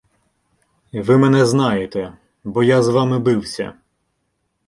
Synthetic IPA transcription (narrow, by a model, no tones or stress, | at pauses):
ʋɪmɛnɛznɑjet̪ɛ | bɔjazʋɑmɪbɪwsʲɐ̰